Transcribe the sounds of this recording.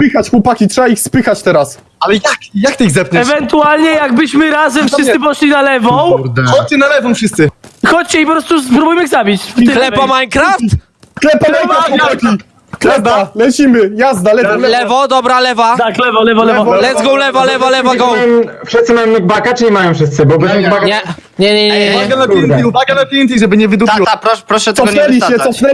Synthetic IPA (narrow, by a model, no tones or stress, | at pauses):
pɘxat͡ɕxwɔpakʲitʂɛbaixspɘxat͡ɕt̪ɛɾas | alɛjakjakt̪ɪiɣzɛp̚kɲɛɛvɛnt̪ualɲɛjaɡbɘɕmɘɾazɛmfʂɨssɨpɔʂlʲinalɛvɔ̃ɾɔt͡ɕɛnalɛvɔ̃w̃fʂɨst̪sɘxɔt͡ɕt͡ɕɛipɔpɾɔst̪upɾubujmɘiɣzabʲit͡ɕfklɛpamajkɾaft̪ | klɛpamajvɾaxwɔkpakʲi | klɛpalɛt͡ɕimɘjazd̪alɛvalɛvɔd̪ɔbɾalɛvaalɛvɔlɛvɔlɛɔvlɛzɡɔ̃wlɛvalɛvalɛvaɡɔajm | fʂɨst̪sɨmajɔ̃w̃nuɡ̚bakat͡ʂɨlʲimajɔ̃w̃fʂɘst̪sɘbɔbɛznuɡbakɲɛ | ɲɛɲɛɲɛvaɛɡanapʲɛniuvaɡanapʲɛnt̪iʐɛbɘɲɛvɨd̪up̪iwɔapɾɔpɾɔʂɛt̪ɔɡ̪ɛlʲiɛɔfnɛ